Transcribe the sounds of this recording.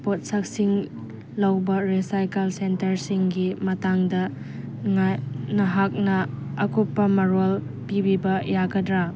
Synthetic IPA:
pot̚sak̚siŋ | lɐwbɐɾesajkelsentɐɾsiŋɡimɐtaŋdɐ | ŋanɐɦak̚nɐ | ɐkopːɐmɐɾol | pibibɐjaɡɐdɾa

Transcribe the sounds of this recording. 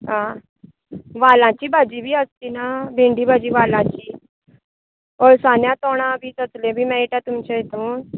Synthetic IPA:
ɦã | ʋalãt͡ɕiːbʱad͡ʑiːbʱiːəst̪iːnabʱẽɳɖiːbʱad͡ʑiːʋalãt͡ɕiː | ɔɾsanjãt̪ɔɽ̃ãbʱiːt͡sət͡slẽbʱiːmɛiʈãt̪umt͡ɕeɦet̪uːn

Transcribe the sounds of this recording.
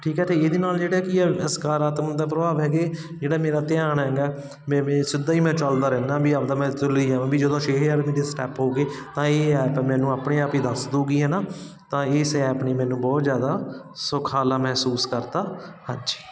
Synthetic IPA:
ʈʰiːkɦɛːt̪eːeːd̪eːnaːld͡ʒeːɽɛːkiɛːəskaːɾaːt̪məd̪aːpɾəbaːʋɦɛːɡeː | d͡ʒeːɽaːmeːɾaːt̪ɪjaːɳɦɛ̃ɡaː | mɛ̃ːsɪd̪aːiːmɛ̃ːt͡ʃəld̪aːɾɛːnãːbiːapd̪ãːmɛ̃ːt̪ʊliːaːʋãːbiːd͡ʒəd̪õːʃeːkːaːɾmiːd̪eːsʈɛːpɦoːɡeːt̪ãːeːɛːpːmɛ̃ːnũːaːpɳẽːaːpiːd̪əsd̪oːɡiːɦɛːnaː | t̪ãːɪːsɛːpniːmɛːnũːbɔːt̪zjaːd̪aː | sʊkʰaːlaːmɛɦsuːskəɾt̪aːhãnd͡ʒi̥ː

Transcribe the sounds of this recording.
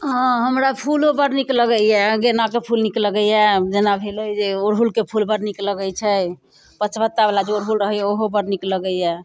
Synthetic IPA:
ɦɔ̃ɦəmɾapʰulɦobəɾnikləɡəjɛɡenakepʰulnikləɡəjɛd͡ʒenabʱelojd͡ʒeoɾɦulkepʰulbəɾnikləɡəjt͡ʃʰɛ | pət͡ʃʰbət̪ːabalad͡ʒoɾɦulɾəɦɛjɛoɦobəɾnikləɡəjɛ

